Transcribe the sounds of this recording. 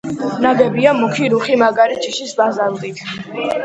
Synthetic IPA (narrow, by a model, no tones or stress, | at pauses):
naɡɛbiamukʰiɾuχimaɡaɾit͡ʃʰiʃisbazalt̪ʼit̪ʰ